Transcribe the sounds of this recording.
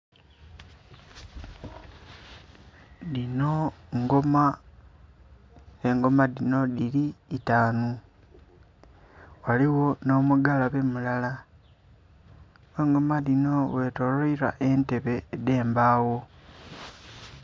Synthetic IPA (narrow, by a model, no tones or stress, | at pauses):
dino̞ŋɡoma | eŋɡo̞maðino̞ðiliːtaːnu | waliwo̞no̞muɡalaβe̞mulala | eŋɡo̞maðino̞we̞to̞loiɾaʔe̞nte̞βe̞ːde̞ːmbaːwo̞